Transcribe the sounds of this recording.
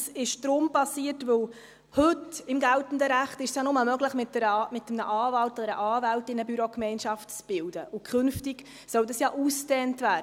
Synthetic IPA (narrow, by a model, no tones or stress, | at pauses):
sɪʃd̪̥ɾʊmpɑsiətʋɵw | hɵtɪmɡæltn̩dəɾæχtɪʃsjɑnʊməmœɡləχmɪtːəɾmɪtːəmnə̰ʔɑːvɑltɔdəɾə̰ʔɑːvæltɪnəbyɾokmɛɪnʃɑftt͡sb̥ɪldəʔʊkʰχɵnftiɡ̥ | sœwdɑsjɑːʔuːstɛːntvæː